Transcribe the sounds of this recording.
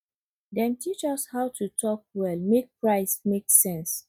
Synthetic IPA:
dɛ̃ntʰit͡ʃɔshaʊtʰutʰɔk̚wɛlmek̚pɹaɪsmeksɛ̃ns

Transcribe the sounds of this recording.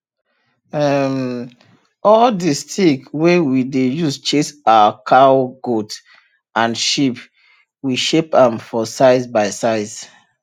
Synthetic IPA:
ɛm | ɔldistʰikwewidejust͡ʃesaakʰawɡot | ãnʃip | wiʃepãmfɔsaɪzbaɪsaɪz̥

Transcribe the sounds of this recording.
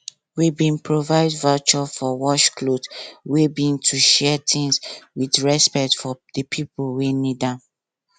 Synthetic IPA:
wibĩnpɹovaɪdvat͡ʃɔfɔwɔʃklodwebĩŋtʰuʃɛtʰĩŋswidɹɛspɛk̚tfɔd̥əpʰipulwenidã

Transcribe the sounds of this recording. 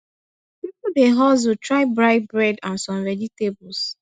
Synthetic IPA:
pipodeɦɔz̬utɹaɪbɹaɪt̚bɹɛdãnsɔ̃mvɛd͡ʒitebʊls

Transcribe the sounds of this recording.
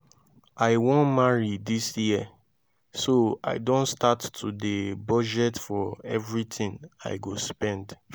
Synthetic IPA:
ʔaɪwõnmaɹidisjiə | soa̰ɪdõntstatːʰudebɔd͡ʒɛtfɔɛvɹitĩŋa̰ɪɡospɛ̃nd

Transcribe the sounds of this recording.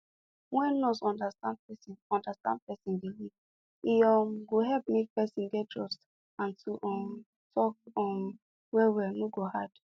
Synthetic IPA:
wɛ̃nːɔsɔ̃ndastãnd̚pɛsinɔ̃ndastã̰nd̚pɛsĩnbiliv | iɔmɡoɦɛlp̚mek̚pɛsĩnɡɛtʰɹɔst | ãntuʔɔm | tʰɔk̚ɔn | wɛwɛnoɡohad̥

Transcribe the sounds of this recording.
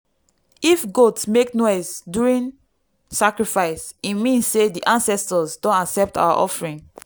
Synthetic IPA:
ifɡotsmeknɔɪzdjuɹĩn | sakɹifaɪsimĩnssediʔãnsɛstəzdõnaksɛp̚tʰa̰ʊa̰ʔɔ̰fɹĩŋ

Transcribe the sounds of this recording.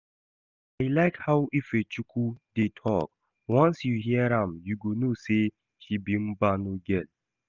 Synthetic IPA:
aɪlaɪkhawʔifet͡ʃukʰudetʰɔ̰k | wãnsjuɦiɛɾãmjuɡonose | ʃibim̩banoɡɛn

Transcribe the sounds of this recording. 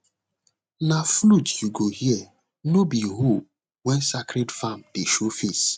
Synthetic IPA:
naflutjuɡohiɛ | nobiɦo | wɛ̃nsakɾedfamdeʃofis

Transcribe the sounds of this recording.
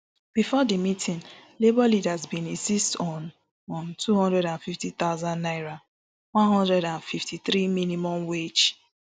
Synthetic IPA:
b̥ifɔdimitʰĩnlebɔlidazbĩnĩnsistɔ̃n | ɔ̃ntʰuhɔ̃ndɹɛɾãnfiftit̪aʊzãnːaɪɹa | wãnɦɔ̃ndɹɛdãnfiftiθɾiminimɔ̃mwet͡ʃ

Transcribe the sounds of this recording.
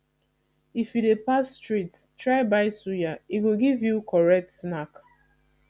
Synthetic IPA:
ifjudepasːtɹittɹaɪbaɪsujaiɡoɡivjukɔɹɛk̚tsnak

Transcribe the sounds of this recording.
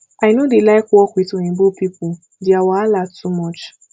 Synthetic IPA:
aɪnodelaɪkɔkʷitonĩbopipʊ | diawaalatːumɔt͡ʃ

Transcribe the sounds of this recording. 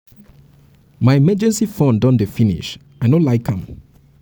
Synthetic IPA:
majmɛd͡ʒɛ̃nsifõndɔ̃ndefinḭʃ | ajnolaɪkhãm

